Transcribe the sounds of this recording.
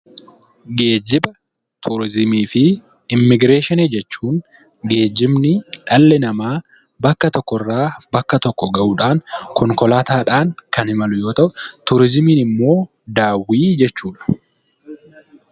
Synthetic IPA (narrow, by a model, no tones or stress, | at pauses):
ɡe̞ːd͡ʒːɪbɐ | t̪ʰʊɾɪzɪmiːfɪ | ɪmːɪɡɾe̞ːʃɪned͡ʒɛt͡ʃːuːŋ | ɡe̞ːd͡ʒːɪmnɪᶑɐlːɛnɐmaː | bɐkːɐt̪ɔkːɔrːaːbɐkːɐt̪ɔkːɔɡɐʔuːᶑaːŋkɔŋkɔlaːt̪aːᶑaːŋkɐnhɪmɐlʊjo̞ːt̪ɐʔʊt̪ʊɾɪzɪmiːnɪmːo̞ː | d̪aːwːiːd͡ʒɛt͡ʃːuːᶑɐ̥